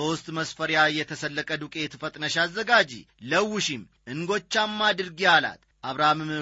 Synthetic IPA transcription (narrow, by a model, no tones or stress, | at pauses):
ost̪ʼməsfəɾjajɛt̪ʰəsəlːəkʼəd̪ukʼet̪ʰɨfət̪ʼnəʃazːəɡad͡ʒḭ | ləwːɪʃim | ʔɨŋɡo̞t͡ʃːamːad̪ɨɾɡijala̰t̪ | ʔaβɾamɨm